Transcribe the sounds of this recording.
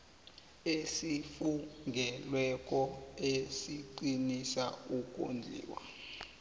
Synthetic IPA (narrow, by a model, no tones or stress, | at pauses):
esifuŋɡʱɛlwɛk̬ʼɔesiǃinisauk̬ʼo̰nd͡ɮʱḭːwa̰